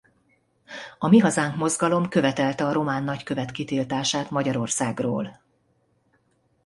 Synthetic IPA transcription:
ɒmiɦɒzaːŋkmo̞zɡɒlo̞mkø̞vɛt̪ɛlt̪ɛɒɾo̞maːnːɒckø̞vɛt̪kit̪iːlt̪aːʃaːt̪mɒɟɒɾo̞rsaːɡro̰ːl

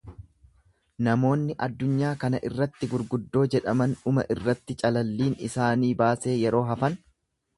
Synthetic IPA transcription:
nɐmo̞ːnːɪʔɐd̪ːʊɲːaːkɐnɐʔɪrːɐt̪ːɪɡʊɾɡʊd̪ːo̞ːd͡ʒɛᶑɐmɐnʊmɐ̰ʔɪrːɐt̪ːɪt͡ʃʼɐlɐlːiːnɪ̰saːniːbaːse̞ːjɛɾo̞ːɦɐfɐn

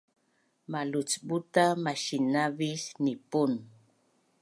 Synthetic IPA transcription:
malʊt͡sbʊt̪amaʃinaβisnɪpʊn

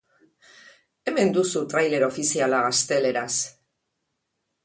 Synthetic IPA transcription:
e̞me̞nd̪usut̪ɾajle̞ɾo̞fisialaɣast̪e̞le̞ɾas

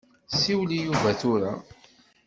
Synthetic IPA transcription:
siwlijuvæθuɾa

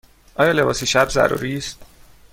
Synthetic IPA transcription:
ʔɒːjɒːle̞bɒ̰ːsiːʃæbzæ̰ɾṵːɾiːst̪

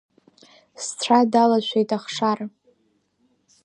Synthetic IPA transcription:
st͡sʷʰadalaʃʷʰejtʼaχʂar

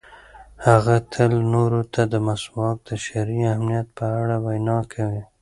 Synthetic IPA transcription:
haɣat̪ʰəlnoɾot̪ʰad̪əmaswɑk̚d̪əʃaɾiamnijat̪̚pəaɽawajnɑkʰawi

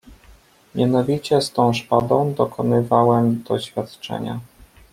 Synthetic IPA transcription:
mʲjanɔvʲit͡ɕɛst̪ɔ̃w̃ʂpad̪ɔ̃w̃d̪ɔkʰɔnɘvawɛmd̪̥ɔɕfʲjat̪t͡ʂɛ̰ɲa̰

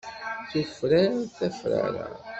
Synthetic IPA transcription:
θəfɾaɾθæfɾa̰ɾa̰

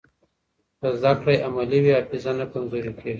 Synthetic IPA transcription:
d̪əzd̪akɽajʔamaliwiafɪzanakamzoɾikeɡi

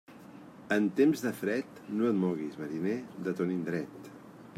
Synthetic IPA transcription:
ənt̪emzðəfɾɛt̪noət̪mɔɣizməɾined̪ət̪onind̪ɾɛt̪

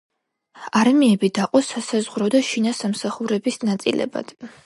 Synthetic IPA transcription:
aɾmiɛbid̪aqʼɔsasazʁɾɔd̪aʃinasamsaχuɾɛbisnat̪sʼḭlʔɛ̰ba̰d̪̥

